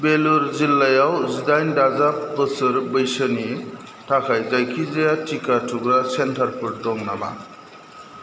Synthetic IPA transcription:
beluɾzilːajawzidajndazapbɯsɯɾbɯjsɯni | tʰakʰajzajkʰizajatʰikatʰuɡɾasentʰaɾpʰɯɾdɔŋnaba̰

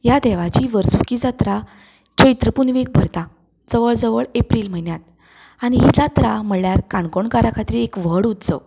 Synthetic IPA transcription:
jad̪ɛʋat͡ɕiʋəɾsukid͡zat̪ɾa | d͡ʑəjt̪ɾəpunʋek̚bʱəɾt̪a | d͡zəʋəɭd͡zəʋəɭepɾilm̤ənjat̪̚ | añiɦid͡zat̪ɾam̤əɭːjaɾkaɳkoɳkaɾakʰat̪ɾiekʋəɽut̪t͡sə̰

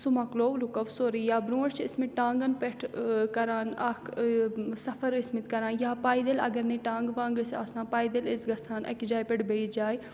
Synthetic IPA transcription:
sumɐkloːʋlukɐʋsoːɾijaːbɾũːɽt͡ʃʰiɪsmiʈãːŋɡɐnpeʈʰkɐɾaːnɐkʰ | sɐfʰɐɾɪsmit̪kɐɾãːnjaːpaːid̪elɐ̰ɡɐɾneːʈãːŋɡʋãːŋɡɐsasãːpaːid̪elɪsɡɐsʰaːnʔɐ̰kid͡ʒaːjpeʈbed͡ʒaːj

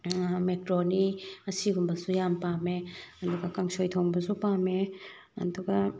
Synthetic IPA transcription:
mekɾoniɐsiɡumbɐlsujampameɐduɡɐkaŋsʰojtʰowŋbɐsupame | ɐ̰duɡɐ

